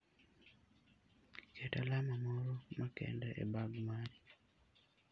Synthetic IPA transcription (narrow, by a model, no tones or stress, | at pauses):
kʰetalamamoɾomakɛ̰ndɛʔḛbaɡmaɾi